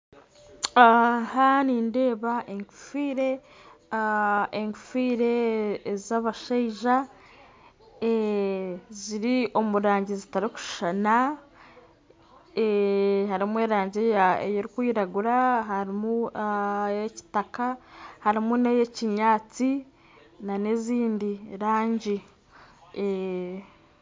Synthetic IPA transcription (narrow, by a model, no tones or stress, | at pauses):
haniːnde̞ːβaʔeŋɡu̥fiːɾe̞ | eŋkufiːɾe̞ːzaβaʃeiʒa | e | ziɾio̞muɾaːɲɟezitaɾiku̥ʃana | ehaɾimue̞ːɾaːɲɟejaḛjoɾikwiːɾaɡuɾaɦaɾimu | jeci̥takahaɾimunejeciɲaːt͡si | naneziːndiɾaːɲɟi